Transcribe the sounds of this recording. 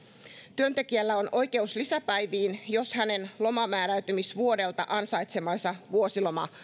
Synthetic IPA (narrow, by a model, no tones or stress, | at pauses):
t̪yønt̪e̞kiælːæo̞nʔo̞jke̞uslisæpæjʋiːnjo̞shæne̞nlo̞mɑmæːɾæyt̪ymisʋuo̞de̞lt̪ɑʔɑnsɑjt̪se̞mɑnsɑʋuo̞silo̞mɑ̰